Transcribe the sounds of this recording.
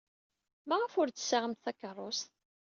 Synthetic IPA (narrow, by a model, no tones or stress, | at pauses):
mæʁəfʊɾt͡sːə̥sːaʁəmt̪θækːərˤːost̪